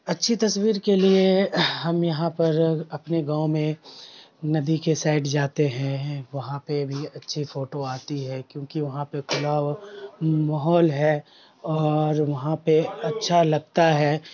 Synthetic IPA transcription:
ɐtːʃʰit̪ɐswiːɾkelieɦɐmjɐɦãpɐɾɐpneɡãːõmẽ | nɐd̪ikesaːɪɖd͡ʒaːt̪eɦɛ̃ʋɐɦãpebʱiɐtːʃʰifoːʈoaːt̪iɦɛkjõːkiʋɐɦãpekʊlaː | mɐɦɔːlɦɛ | ɔːɾʋɐɦãpeɐtːʃʰalɐɡ̚t̪aɦɛː

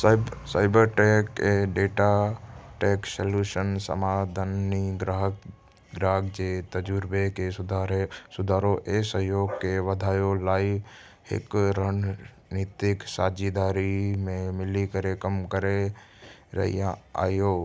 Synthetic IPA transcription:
saːɪbəɾʈekeɖeːʈaʈeːksəljuːʃənsə̰maːd̪ʱənːiɡɾaɦk | ɡɾaːɦkd͡ʒet̪əd͡ʒuɾbekesʊd̪ʱaːɾesʊd̪ʱaːɾoʔesəɦjoːɡkeʋəd̪ʱaːjolaːiʋ | hɪ̰kɾaːn | nit̪ɪksaːd͡ʒid̪aːɾimẽmɪlikəɾekəmkəɾe | ɾə̰ɦḭjãa̰ːjoː

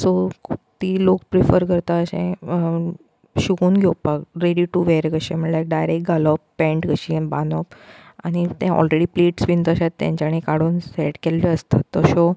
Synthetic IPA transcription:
sɔt̪iːlok̚pɾifəɾkəɾt̪aəɕḛ̃ | ɕuɡuːnɡʱepakɾeɽiʈuʋeɾɡəɕiməlajk̚ɖajɾekʈ̚ɡalɔpːɛ̃ɳʈɡəɕiba̰nɔpa̰ñit̪ãɔ̰lɾeɽiːpleʈsʋint̪əɕat̪ːjã̰ɲt͡ɕaɽ̃ĩkaɽuːnseʈkeld͡ʑeəst̪ət̪ːəɕɔ

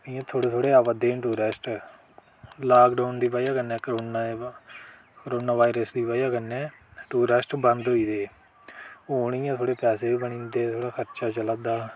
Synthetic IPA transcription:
ɪjãːt̪ʰoːɽeːt̪ʰoːɽeːaːʋəd̪eːʈ̬uːɾesʈ | laːɡɖoːnd̪iːpaːiaːkənːɛ̃ːkɾoːna | kəɾoːnaːʋaːiɾəsd̪iːpaːiaːkənːɛ̃ːʈuːɾəsʈbənd̪ɦoːiːd̪eː | ɦoːɳɪjãːt̪ʰoːɽeːpɛːseːiːbəɳĩːnd̪eːt̪ʰoːɽaːkʰəɾt͡ʃaːt͡ʃəlaːd̪aː

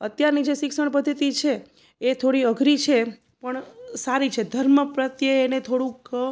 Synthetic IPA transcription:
ət̪jaɾnid͡ʒeʃɪksəɳpəd̪ʱːət̪it͡ʃʰeː | t̪ʰoɽiəɡʱɾit͡ʃʰe | pəɳsaɾit͡ʃʰed̪ʱəɾməpɾət̪jəːnet̪ʰoɽũk

